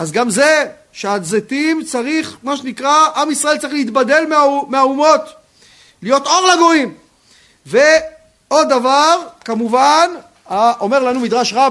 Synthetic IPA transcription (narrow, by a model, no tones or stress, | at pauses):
azɡamze | ʃeazet̪imt͡saʁiχmaʃ̬enikʁaamisʁaelt͡saʁiχleit̪bad̪e̞lmeameaumo̞t̪ | lijo̞t̪o̞ʁlaɡoim | ve | o̞d̪avaʁkamuvan | aʔomeʁlanumid̪ʁaʃʁa